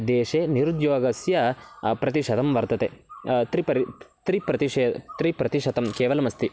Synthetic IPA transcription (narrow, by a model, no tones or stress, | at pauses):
d̪eːʂeːniɾud̪joːɡɐsjɐpɾɐt̪iʃɐd̪ɐmʋɐɾt̪ɐt̪et̪ɾipɐɾit̪ɾipɾɐt̪iʃeːd̪t̪ɾipɾɐt̪iʃɐt̪ɐmkeːʋɐlɐmɐst̪i